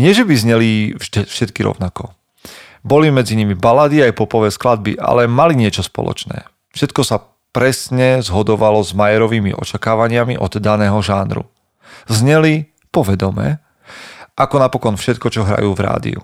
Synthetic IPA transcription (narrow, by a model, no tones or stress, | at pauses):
ɲɪɛʒɛbizɲɛliɛʃɛt̪kiɾɔ̰ʊnakɔ | bɔlimɛd͡ziɲimibalad̪iajpɔpɔʋɛːsklad̪̚bḭʔa̰lɛmaliɲɪɛt͡ʃɔspɔ̰lɔ̰t͡ʃnɛ̰ː | fʃɛt̪kɔsa | pɾɛsɲɛzɦɔd̪ɔʋalɔzmajɛɾɔʋiːmḭʔɔ̰t͡ʃakaːʋaɲɪamḭʔɔd̪d̪anɛːɦɔʒaːnɾṵ | zɲɛli | pɔʋɛd̪ɔmɛ̰ː | ʔakɔnapɔkɔnfʃɛt̪kɔt͡ʃɔɦɾa̰juːvɾa̰ːd̪ḭṵ